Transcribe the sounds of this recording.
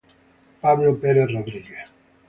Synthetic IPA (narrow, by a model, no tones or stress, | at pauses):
paβlopeɾeθroðɾiɣeθ